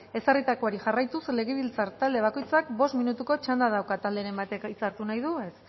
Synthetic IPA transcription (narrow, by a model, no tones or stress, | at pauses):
e̞sarit̪akoaɾiʝarajt̪usle̞ɣeβilt͡saɾt̪ald̪e̞β̞ako̞jt͡sakbo̞st̪minut̪uko̞t͡ʃand̪að̞awkat̪ald̪e̞ɾembat̪ekit͡saɾt̪unajðue̞s